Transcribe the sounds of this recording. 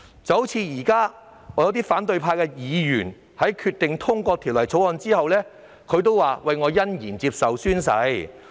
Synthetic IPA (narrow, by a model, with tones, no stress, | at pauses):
t͡sɐ˨˥wt͡sʰiː˨˧jiː˨˩kaː˥ | ŋɔː˨˧jɐ˨˧wt̪iː˥faː˨˥nt̪̬ɵ˧ɥpʰaː˧kɛː˧jiː˨˧jy̰ː˨˩n | hɐ˨˥jkʰyː˧t̪ːɪ˨ŋt̪ʰʊ˥ŋkʷɔː˧t̪ʰiː˨˩wlɐ˨˩jt͡sʰo˨˥wɔː˧nt͡siː˥hɐ˨wlɛː˥ | kʰɵ˨˧˥ɥt̪o˥waː˨wɐ˨jŋɔː˨˧jɐ˥njiː˨˩nt͡siː˧p̚sɐ˨wsyː˥nsɐ̰˨˧˥j